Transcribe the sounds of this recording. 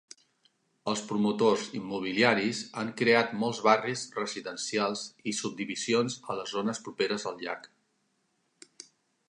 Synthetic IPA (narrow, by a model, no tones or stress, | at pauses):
əlˠspɾumut̪ozimːuβ̞iliaɾizaŋkɾeat̪mɔlˠzβarizrəziðənsialˠzisub̚d̪iβizionzələzonəspɾupeɾəzðəlˠʎa̰k